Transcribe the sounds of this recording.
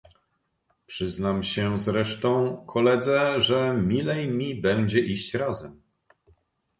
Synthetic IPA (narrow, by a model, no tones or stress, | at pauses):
pʂɘznamɕɛzɾɛʂt̪ɔ̃w̃kʰɔlɛd̪zɛʐɛmʲilɛjmʲibɛɲd͡ʑɛʔiɕt͡ɕɾazɛm